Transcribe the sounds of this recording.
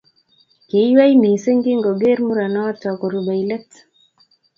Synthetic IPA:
ke˨˦jwa˦jni˨se˦ŋɡɪ˦ŋɡo˨ɡe˦ɾmu˦ɾa˨nɔ˦tɔ˨kɔ˨ɾu˨ba˨i˨lɛ˦t

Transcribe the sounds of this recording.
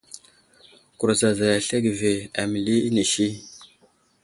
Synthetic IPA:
ku˨ɾza˨za˨ja˨ɬe˦ɡve˨a˨mi˨li˦i˦ni˨ʃi˦

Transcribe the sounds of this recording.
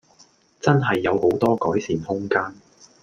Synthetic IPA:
t͡sɐ˥nɦɐ˨jːɐ˨˧who˨˥wt̪ɔː˥kɔː˨˥jsiː˨˩nhʊ˥ŋkaː˥n

